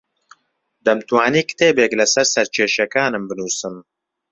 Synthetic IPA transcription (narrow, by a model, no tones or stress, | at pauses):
d̪̥ɐmt̪uwaːniːkɨ̥t̪eːbeːklɐsɐɾsɐɾt͡ʃʰeːʃɐkaːnɨmbɨnuːsɨm